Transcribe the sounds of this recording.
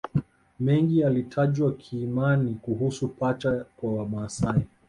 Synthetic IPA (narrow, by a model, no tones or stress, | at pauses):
mɛŋɡialitʰaʄwakʰiːmanikuɦusupat͡ʃakwawamaːsai